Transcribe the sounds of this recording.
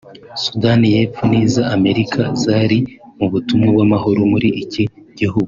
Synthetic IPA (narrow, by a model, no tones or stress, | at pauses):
sudanije̞ːfuniːzaame̞ɾikʰazaɾimuβutumŋebɡamaɦoɾomuɾiʔːciɟihuɡu